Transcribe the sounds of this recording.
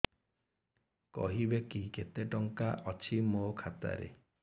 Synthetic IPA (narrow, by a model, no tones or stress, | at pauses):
kɔ̰ɦibekiket̪eʈɔŋkaʔɔt͡ʃʰimokʰat̪a̰ɾḛ